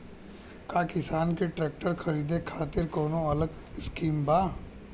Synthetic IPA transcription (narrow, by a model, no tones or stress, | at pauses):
kaːkɪsaːnkeʈɾɛːk̚ʈəɾxʰɐɾiːd̪ekʰaːt̪ɪɾkɔːnõɐləɡ | ɪskiːmbaː